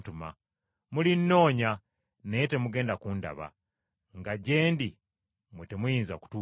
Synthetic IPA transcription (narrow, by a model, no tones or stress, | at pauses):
tuma̰ | mulinːo̞ːɲa | nejete̞muɡe̞ːndakuːnda̰βa̰ | ŋɡaɟe̞ːndi | metemujiːnzaku̥tuː